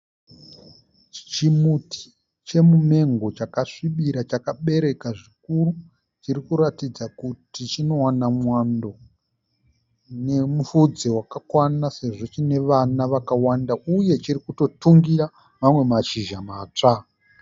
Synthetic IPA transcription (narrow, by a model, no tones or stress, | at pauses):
t͡ʃimutʰi̥ | t͡ʃe̞mume̞ŋɡo̞t͡ʃakaʂiɓiɾat͡ʃakaɓe̞ɾe̞kaʐikuru | t͡ʃirikuɾatid͡zakutit͡ʃino̞wanamwando̞ | ne̞mufud͡zewakakwanase̞ʐo̞t͡ʃine̞ʋanaʋakawandauje̞t͡ʃiɾikuto̞tuŋɡiɾa | mamwe̞maʃiʒamaːt͡ʂa